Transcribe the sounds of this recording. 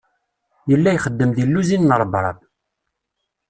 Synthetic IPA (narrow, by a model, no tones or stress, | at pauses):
jəlːæjχəd̪ːəmðilːuzinːəɾˤbɾˤɑ̰ð